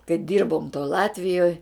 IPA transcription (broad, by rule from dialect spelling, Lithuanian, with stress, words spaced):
kɐɪ ˈdʲiːrboːm toːj ˈlˠɑːtʲʋʲɪjoːj